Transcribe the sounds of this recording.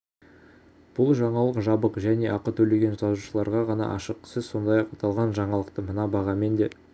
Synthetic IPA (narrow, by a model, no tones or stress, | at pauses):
b̥ʊlˠʒɑɴɑlˠəqʒɑbəqʒæne̞ʔɑqət̪ʰɵle̞ɡʲe̞nsɑzuʃəlˠɑɾʁɑʁɑnɑ̰ʔɑ̰ʃəqsɪzso̞nd̪ɑjɑqɑt̪ɑlˠʁɑnʒɑɴɑlˠəqt̪əmənɑbɑʁɑme̞nd̪e̞